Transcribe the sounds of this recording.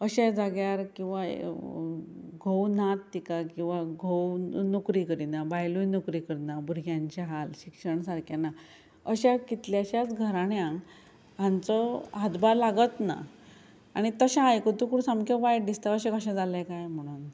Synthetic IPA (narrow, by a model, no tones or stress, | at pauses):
əɕɛ̃d͡zaɡjaɾkĩw̃ʋa̰ | ɡʱownat̪ːikakĩw̃ʋaɡʱownukɾikəɾinabajlujnukɾikəɾnabuɾɡjãɲt͡ɕeɦalɕikʂəɳsaɾkana | əɕakit̪ljaɕat͡sɡʱəɾaɽjãŋ | ãnt͡sɔɦad̪baɾlaɡət̪na̰ | aɽ̃it̪əɕãajkət̪ũkuɽsamkʰəʋajʈ̚d̪ist̪aəɕẽkəɕɛ̃d͡zalãkajm̤əɽ̃uːn